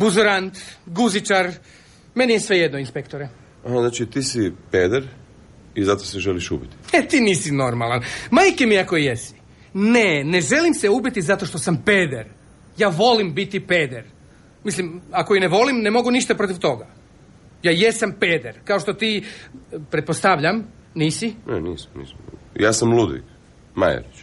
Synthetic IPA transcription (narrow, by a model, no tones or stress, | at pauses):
buzuɾant̪ɡuzit͡ʃaɾ | me̞nijesʋe̞je̞d̪noinspekt̪oɾe | aznaːt͡ʃit̪iːsipeːd̪eɾ | izat̪oseʒeliʃṵbit̪i̥et̪iːniːsino̞ɾmalˠanmaːjkemiako̞ijesi̥ | nene̞ʒe̞limseubit̪izat̪o̞ʃt̪o̞sampeːd̪eɾ | jaːʋo̞limbit̪ipeːd̪eɾ | mislimakoineʋo̞limnemo̞ɡuniʃt̪apɾo̞t̪iʋt̪o̞ɡa | jaːjesampe̞ːd̪eɾkao̞ʃt̪o̞t̪iː | pɾet̪po̞st̪aʋʎam | niːsineniːsḁmnḭːsm | jaːsamlˠud̪ʋḭk | ma̰jḛɾit͡ʃ